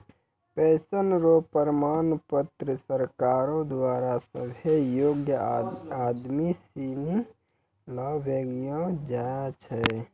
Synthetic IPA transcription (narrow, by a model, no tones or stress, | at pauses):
pɛsənɾopəɾəmanpət̪ɾəsəɾkaɾõd̪waɾasə̰bʱejoɡjəad̪misini | ləbeɡijõd͡ʒajt͡ʃʰɛ